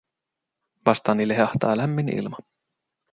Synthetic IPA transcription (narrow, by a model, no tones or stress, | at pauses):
ʋɑst̪ɑːnileɦeɑht̪ɑːlæmːinḭlmɑ